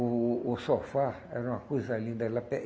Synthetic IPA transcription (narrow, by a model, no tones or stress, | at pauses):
sofaɛɾɐũɐ̃kojzɐalĩd̪ɛlɐpɛ